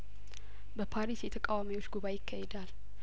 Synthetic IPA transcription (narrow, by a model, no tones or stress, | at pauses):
bəpʰaɾisjɛt̪ʰəkʼawamiwo̞t͡ʃːɡuβajɪkʰːahɛd̪al